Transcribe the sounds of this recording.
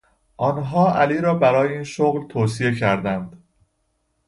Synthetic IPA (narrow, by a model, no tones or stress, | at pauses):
ʔɒːnɦɒːʔæliːɾɒːbæɾɒːjeiːnʃoɣlt̪ʰoːsie̞cʰæɾd̪ænd̪̥